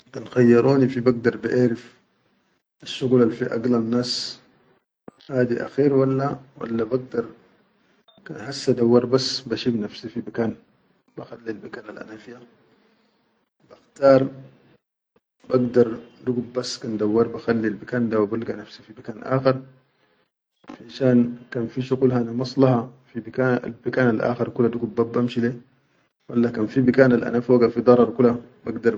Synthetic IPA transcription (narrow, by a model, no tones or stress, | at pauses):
kanxajːɑɾˤoːnifibaɡ̚d̪ɑɾˤbaʔaːɾif | ʔaʃːuɣulalfiʔa̰ɡlanːaːs | haːd̪iʔa̰xiːɾwalːawa̰lːabaɡ̚d̪ɑɾˤ | kanhasːad̪awːɑɾˤbasːbaʃiːbnafsifibakaːn | baxalːilbakaːna̰lʔa̰naːfija | b̥axt̪ɑːɾˤ | baɡd̪ɑɾˤduɡub̚basːkand̪awːɑɾˤbaxalːilbikaːnd̪awibalɡanafsifibakaːnʔa̰ːxɪɾˤ | faʃaːnkaːnfiʃuɣulhaʔanamɑsˤlɑhɑfibikaa̰lbikaːnalʔa̰ːxeɾˤkulːad̪uɡubːabːamʃileː | walːakaːnfibikaːnalʔa̰naːfiwakanfid̪ˤɑɾˤɑɾˤkulabaɡd̪ɑɾˤ